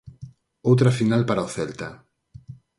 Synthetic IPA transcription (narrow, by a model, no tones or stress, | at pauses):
owt̪ɾafinalpaɾaoθɛlt̪a